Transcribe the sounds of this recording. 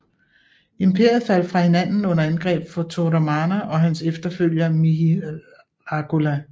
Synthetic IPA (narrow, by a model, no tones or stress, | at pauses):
empʰe̝ɐ̰jð̩ˠfæl̰fʁɑ̈he̝næn̰n̩ɔ̽n̰ɐænɡ̥ʁɛ̰ːb̥fɒ̽t͡sʰoɾæmɑːnæʔɒ̽ɦænsefd̥ɐføl̰jɐmi | ɑɡ̥ʰulæ